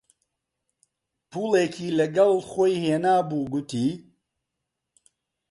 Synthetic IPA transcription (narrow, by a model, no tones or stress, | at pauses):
pʰuːleːkʰiːlɐɡɐlˠχoːjheːnaːbuːɡʊt̪ʰiː